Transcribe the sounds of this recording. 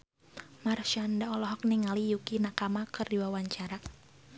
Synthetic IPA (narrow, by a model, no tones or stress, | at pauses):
marʃandaɔlɔɦɔk̚niŋalijukinakamakɨrdiwawaɲt͡ʃaɾa